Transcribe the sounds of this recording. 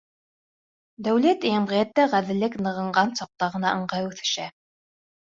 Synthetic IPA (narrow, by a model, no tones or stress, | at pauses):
d̪æwlæt̪jæmʁijæt̪ːæʁæðɘ̆lːɘknɤ̆ʁɤ̆ɴɢɑnsɒq̚t̪ɑʁɤ̆nɑʔɤ̆ɴʁɑjʉθɘ̆ʃæ